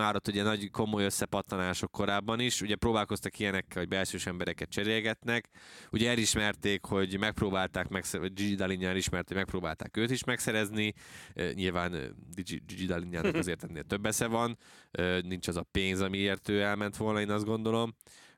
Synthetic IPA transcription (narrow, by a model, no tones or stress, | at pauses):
aːɾot̪ːuɟɛnɒɟko̞mo̞jø̞sːɛpɒt̪lɒnaːʃo̞kːo̞ɾaːbːɒniʃuɟɛpɾoːbaːlko̞st̪ɒkijɛnɛkːɛlɦoɟbɛlʃøːʃɛmbɛɾɛkɛt̪̚t͡ʃɛɾeːlɡɛt̪nɛkuɟɛɛliʃmɛrt̪eːkho̞ɟmɛk̚proːbaːlt̪aːkmɛksɛd͡ʒid͡ʒid̪ɑliɲanɛliʃmɛrt̪omɛk̚pɾoːbaːlt̪a̰ːkøːt̪iʃmɛksɛɾɛzniɲilvaːnd̪id͡ʒid͡ʒid͡ʒid̪ɑliɲːaːnɒk̪kɒzeːrt̪ɛnːeːlt̪ø̞bːɛsɛvɒnønint͡ʃɒzɒpeːnzɒmieːrt̪øːɛlmɛnt̪ʋo̞lnɒeːnɒzd̪ɡo̞nd̪o̞lo̞m